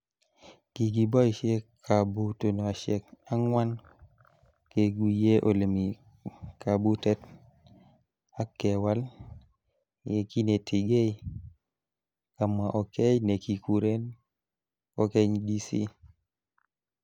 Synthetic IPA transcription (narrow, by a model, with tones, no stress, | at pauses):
ki˨ɡi˨bɔ˦ʃe˦kʰa˨bu˦to˨no˨a˨ʃɛ˨ka˦ŋwa˦n | ke˨ɡi˨je˦ʔo˨le˨mi˨ | ka˨bu˦tɛ˦t | a˦kːɛ˨wa˦l | e˨ki˦ne˨tʰi˨ɡe˦j | ka˨ma˨ʔɔ˨ke˦jne˨ki˨ku˨ɾe˦n | kɔ˦ke˦ɲdi˦sḭ˦